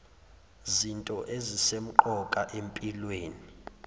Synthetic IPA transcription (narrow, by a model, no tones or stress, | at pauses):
zintʼɔʔezisem̩ǃɔkʼaʔempʼilweːni